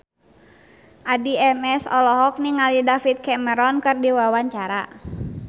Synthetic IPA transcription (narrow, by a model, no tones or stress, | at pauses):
ʔadiɛmɛsɔlɔɦɔk̚niŋalidafit̪̚kɛməɾɔnkɨrdiwawaɲt͡ʃaɾa̰